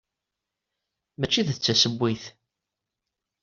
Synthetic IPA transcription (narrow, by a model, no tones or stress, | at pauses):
mæt͡ʃːiðθt͡sːæsəbːiθ